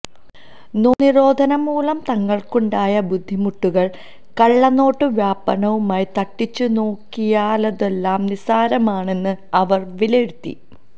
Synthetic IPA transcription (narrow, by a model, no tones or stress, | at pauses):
noːniɾo̞ːd̪ʱɐnɐmuːlɐmt̪ɐŋːɐɭkuɳɖaːjɐbud̪ʱːimuʈːuɣɐɭ | kɐɭːɐnːo̞ːʈːɨʋjaːpːɐnɐʋumaːjt̪ɐʈːit͡ɕːuno̞ːkːijaːlɐðe̞lːaːmnisaːɾɐmaːɳe̞nːɨɐʋɐrʋileɽut̪ːḭ